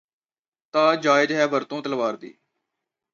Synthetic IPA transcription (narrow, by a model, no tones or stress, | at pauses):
t̪ãːd͡ʒaːɪd͡ʒɦɛːʋəɾt̪õːt̪əlʋaːɾd̪ḭː